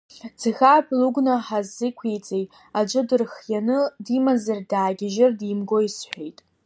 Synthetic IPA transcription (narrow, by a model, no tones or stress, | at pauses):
d͡zɨxʲaːpʰluɡʷnaħazːɨkʷʰejt͡sʼejtʼ | ad͡ʒʷɨdɨrχjanɨdimazardaːɡʲɪʒɪrdimɡo̞isħʷᶣejtʼ